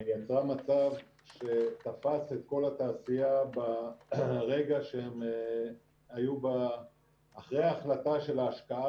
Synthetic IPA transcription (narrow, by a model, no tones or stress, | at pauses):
jat͡sʁamat͡sav | ʃe̞t̪afaset̪̚ko̞lat̪aːsijaba | ʁe̞ɡaʃeem | ajubaː | χʁeaːχlat̪aʃe̞laːʃkaa